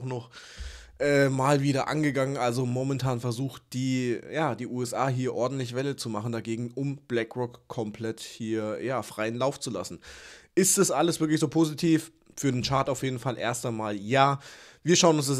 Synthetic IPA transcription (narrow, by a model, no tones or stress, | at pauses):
xnɔχʔɛːmaːlviːɾɐʔa̰nɡəɡaŋənʔalzomomɛntʰaːnfɛɐzuːxt̚d̥iːjaːd̥iːʔuːɛsʔaːɦiːɐʔɔɐdn̩tlɪçv̥ɛlət͡sumaχn̩daɡeːɡŋ̩ʊmb̥lɛkʁɔkkʰːɔmpʰl̥ɛthiːɐjaːfʁ̥aɪənlaʊft͡sula̰sn̩ʔɪstd̥asʔaləsv̥ɪɐk̬lɪçz̥oːpʰoːzitʰiːf | fyːɐdeːnt͡ʃaɐtaʊfjeːdn̩falʔḛːɐstaɪnmaːljaːviːɐʃaʊənʊns̬d̥as